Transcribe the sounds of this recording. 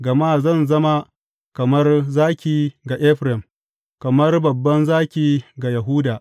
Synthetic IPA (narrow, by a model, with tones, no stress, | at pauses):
ɡɐ˨maː˦˨zɐ˦˨nzɐ˦ma˦ | kɐ˨mɐ˦rzaː˦kʲiː˨ɡa˨ʔɛ˦ɸɾɛ˨m | kɐ˨mɐ˦rbɐ˨bːɐ˦nzaː˦kʲiː˨ɡa˨jɐ˨ɦuː˦daː˨